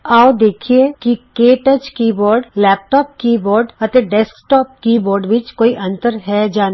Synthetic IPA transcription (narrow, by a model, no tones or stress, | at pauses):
aːod̪eːkʰiekikeːʈəd͡ʒkiːbɔːɾɖlɛːp̚ʈɔːp̚kiːbɔːɾɖɐt̪eɖɛːskʈɔːp̚kiːbɔːɾɖʋɪt͡ʃkoːiʔɐ̃nt̪əɾɦɛd͡ʒaːn